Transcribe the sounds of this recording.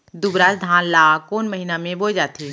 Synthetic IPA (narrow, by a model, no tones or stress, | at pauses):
d̪ubɾad͡ʒd̪ʱãːnlaːkoːnməɦinamẽboːd͡ʒaːt̪ʰi